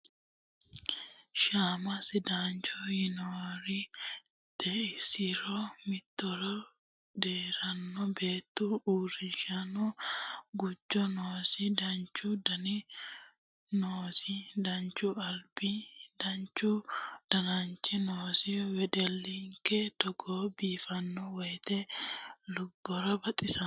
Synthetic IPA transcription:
ʃaːmɐsɪd̪aːnt͡ʃɔjɪnoːɾɪ | t̪ɛɪsɪɾɔmɪt̪ːɔɾɔ | d̪eːɾɐnːɔbeːt̪ːuuːrɪʃɐnɔɡʊd͡ʒːɔnoːsɪd̪ɐnt͡ʃːʊd̪ɐnɪ | noːsɪd̪ɐnt͡ʃːʊɐlbid̪̥ɐnt͡ʃːʊd̪̥ɐnɐnt͡ʃːɪnoːsɪwɛd̪ɛlːɪŋkːɛt̪ɔɡɔbiːfɐnːɔwɔjt̪ɛlʊɡːɔɾɐbɐt̪ʼɪsɐ

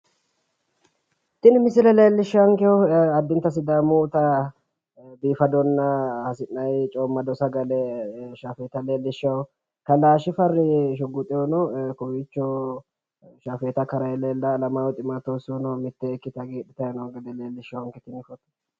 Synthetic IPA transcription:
t̪ɪnmɪs̬ɪlɛleːlːɪʃːɐɐŋkɛwʊɐd̪ːɪnt̪ːɐsɪd̪aːmuːt̪ɐ | biːfɐd̪ɔnːɐhɐsɪnːɐjt͡ʃʼɔːmːɐd̪ɔsɐɡɐlɛʃaːfeːt̪ɐleːlːɪʃːɐw | kɐlaːʃɪfɐrːɪʃ̬ʊɡʊt̪ʼɪjɔnɔkɔwit͡ʃːɔ | ʃaːfeːt̪ɐkɐɾɐjɛleːlːɐlɐmaːwɛt̪ʼɪmat̪oːsɔnɔmɪt̪ːɛːkːɪt̪ɐɡeːᶑɪt̪ɐjɐnɔɡɛd̪ɛleːlːɪʃɐwɐŋkɛt̪ɪnɪfɔt̪

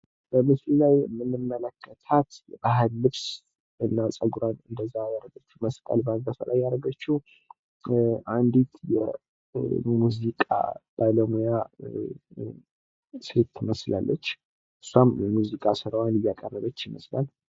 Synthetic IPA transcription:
b̥əmɨslilajmɨnːɨmːələkʰːət̪ʰat̪ʔaɦɨlːɨβs | ɨnːasʼəɡuɾanɨnd̪əzːajaɾəɡət͡ʃːuməsk̪ʼə̰lbanɡasa̰lʔajːaɾəɡət͡ʃːu | ʔand̪it̪jɛ̰ | muzikʼa̰b̥aləmuja | sɾit̪ʰːɪməsla̰lːət͡ʃː | ʔɨsːwamjɛmuzikʼasɨɾəwanɨjːakʼərːəβət͡ʃːɪməslal

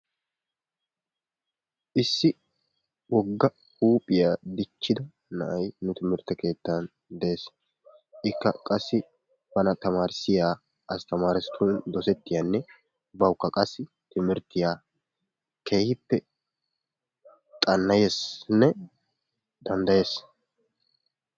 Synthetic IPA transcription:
ʔɪsːɪ | wɔɡːɐ | huːpʼɪjaːd̪ɪt͡ʃːɪd̪ɐ | nɐʔɐjnʊt̪ɪmɪɾt̪ːɐke̞ːt̪ːɐn | d̪ɛeːs | ʔɪkːɐkʼɐsːɪ | bɐnɐt̪ɐmaːɾsɪjaː | ʔɐst̪ɐmaːɾɪsɪ̥t̪ʰuːnd̪ɔsɛt̪ːɪjanːɛ | bɐwʊkːɐkʼɐsːɪ | t̪ɪmɪɾt̪ːɪjaː | kʰeːhɪpːɛ | t̪ʼɐnːɐjesnːɛ | d̪̥ɐnd̪ɐje̞ːs

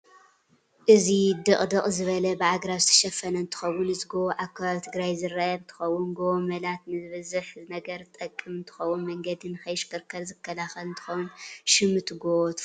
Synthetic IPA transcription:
ʔɨzid̪ɨχʼd̪ɨqʼzɨβɐlɐbɨʕaɡɾaβzɨt̪ʰɐ̥ʃɐfɐnɐɨnt̪ʰɨ̥xɐwːʊnɨzɡooʔakʰːaβaβit̪ʰɨɡɾajzɨɾɐʔɐɨnt̪ʰɨ̥xɐwːʊnɡoomɐlat̪nɨzɨβɐzɨħzɨnɐɡɐɾt̪ʼɐkʼːɨmɨnt̪ʰɨ̥xɐwːunmɐŋɡɐd̪inɨxɐjʃkɨɾkʰɐɾzɨkːɐlaxɐlɨnt̪ʰɨ̥xɐwnʃɪmɨt̪ɡot̪

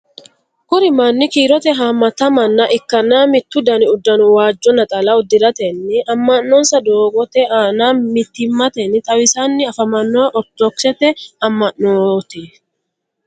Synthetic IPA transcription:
kʊɾɪmɐnːɪkiːɾɔt̪ɛɦamːɐt̪ɐmɐnːɐʔɪkːɐnːaːmɪt̪ːʊd̪ɐnɪʊd̪ːɐnʊwaːd͡ʒːɔnɐt̪ʼɐlɐʊd̪ːɪɾɐt̪ɛnːɪʔɐmːɐnːɔnsɐd̪oːɡɔt̪ɛaːnaːmɪt̪ːɪmːɐt̪ɛnːɪt̪ʼɐwɪsanːɪɐfɐmɐnːoːʔɔt̪ːɔksɛt̪ɛɐmːɐʔnoːt̪ɪ

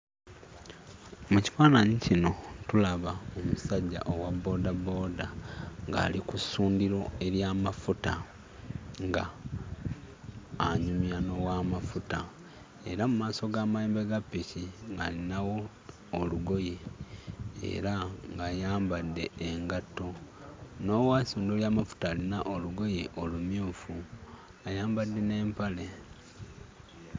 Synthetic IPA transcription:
muci̥faːnaɲicino̞tulaβaomusaɟːa̰ʔo̞wabːo̞ːdabo̞ːdaŋɡa̰ːlikusuːndiɾo̞e̞ɾjaːmafuta | ŋɡa | ɲumjano̞wamafuta | e̞ɾamumaːso̞ɡaːmaleːmbeɡapːiciŋɡalinawo̞ː | luɡo̞je | ḛɾaŋɡaːjaːmbadːe̞eŋɡato̞ | no̞wasuːndoljaːmafu̥taːlinaʔoluɡo̞jeʔo̞lumjuːfu | ajaːmbadːe̞ne̞ːmpale̞

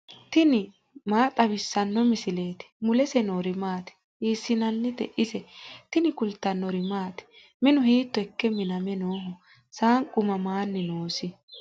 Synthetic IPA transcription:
t̪ɪnɪ | maːt̪ʼɐβɪsːɐnːɔmɪsɪle̞ːt̪ɪ̥mʊlɛsɛnoːɾɪmaːt̪ɪ̥ | iːsːɪnɐnːɪd̪ɛ̰ʔɪsɛt̪ɪnɪkʊlt̪ːɐnːɔɾɪmaːt̪ɛ̥ | mɪnʊhiːt̪ːɔɛkːɛmɪnɐmɛnoːɦɔ | saːŋkʼʊmɐmaːnːɪnoːsɪ

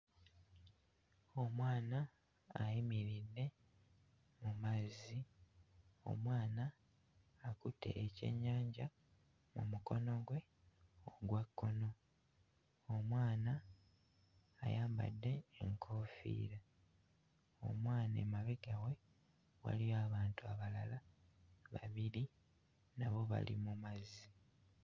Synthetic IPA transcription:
o̞mwaːnaː | jimiɾidːe̞ | mumazi | o̞̰mwaːnaː | kute̞̰ːce̞̰ɲːaːɲɟa | mṵmuko̞no̞ɡwe̞ | oɡwakːo̞no̞ | omwaːna | jaːmba̰dːe̞ːŋkʰo̞ːfḭːɾa | o̞̰mwaːnḛmaβiɡawe̞ | wa̰lijoaβaːntuaβalala | βa̰βiɾi | naβo̞βa̰lḭmumazi

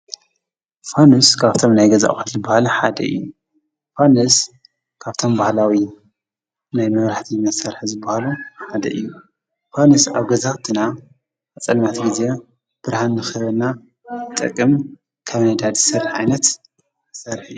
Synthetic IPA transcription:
fanuskʰaβt̪ʰo̞mnajɡɐza̰xut̪zɨbahalħad̪ɐ̰ʔɨ̰jːu | fanɨs | kʰaβt̪ʰo̞mbahlawi | najmɐβɾaħt̪ʰimɐsɐɾħzɨbːahaluħad̪ɐ̰ʔɨ̰jːu | fanɨsaβɡɐzaxt̪ʰɨna | ɐt͡sʼɐlmat̪ʰɡize̞ | b̥ɨɾhanːɨxɨβɐlna | ɨt̪ʼːɨ̰kʼːɨm | kʰɐβnajd̪ad̪zɨsɐɾħʕajnɐt̪ | ɨsɐɾħɨjːu

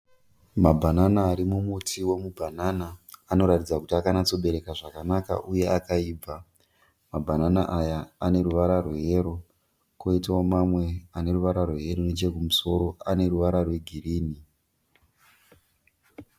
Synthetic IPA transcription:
mabʱananaːɾimumutʰiwe̞mubʱanaːnaːno̞ɾatid͡zakutiakanat͡so̞ɓe̞ɾe̞kaʐakanaka̰ʔuje̞akaiːb͡vʱa | mabʱananaʔajaane̞ruʋaɾarweɦeɾo̞ | koitawomamwe̞ane̞ruʋaɾarweɦe̞ronet͡ʃe̞k̬umuso̞ɾo̞ane̞ruʋaɾarwe̞ɡʱiriːni

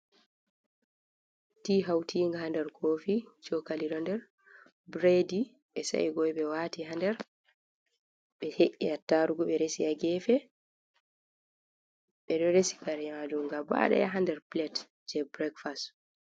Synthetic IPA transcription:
tiːɦawtʰiːŋɡahandɛɾkʰofit͡ʃɔkaliɾɔndɛɾ | bɾedi | ɓɛsa̰iɡɔjɓɛwatiɦandɛɾ | ɓɛheʔːiatːaɾuɡɔɓɛɾesiaɡɛfɛ | ɓɛɗɔɾesi̥kaɾamad͡ʒumɡaba̰ɗa̰jaɦandɛɾplɛt | d͡ʒɛbɾɛkfast

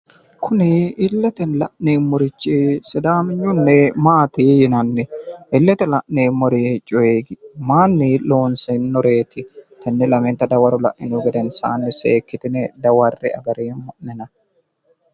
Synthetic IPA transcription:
kʰʊnɪɪlːɛt̪ɛnlɐʔneːmːɔɾɪt͡ʃːɪsɛd̪aːmɪɲːʊnːɛmaːt̪ɪːjɪnɐnːɛʔɪlːɛt̪ɛlɐʔneːmɔɾit͡ʃʼɔjeːɡmaːnːɪloːnsɛnːɔɾeːt̪ʰɪt̪ɐnːɛlɐmɛnt̪ɐd̪ɐwɐɾʊlɐ̰ʔʔɪnɡɛd̪ɛnsa̰ːnːɪseːkːɪt̪ɪnɛd̪ɐwɐrːɛ̰ɐ̰ɡɐɾeːmɔʔnɛnɐ

